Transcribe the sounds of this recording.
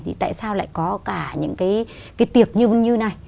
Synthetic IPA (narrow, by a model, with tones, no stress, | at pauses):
t̪ʰḭ˨˩t̪a̰ː˧˨jsaː˧wla̰ː˧˨jkɔ˨˦kaː˧˩ɲɨ̰˧˥ŋkaː˨˦j | kaː˨˦jt̪i˨˩ək̚ɲɨ˧ɓə˧nɲɨ˧na˨˩j